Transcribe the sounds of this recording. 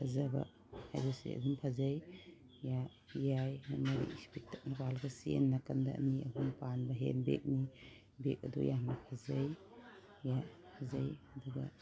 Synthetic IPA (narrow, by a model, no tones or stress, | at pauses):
pʰazaba̰ | hajbɐsḛɐ̰dumpʰazaj | ja | jajmamɐɾḭḭspek̚tat̚napalɡɐsḛnːakɐndɐ̰ʔniɐ̰dumpanbɐɦḛnbḛk̚ni | bek̚ɐdṵjannɐpʰazaj | japʰazajɐduɡɐ̰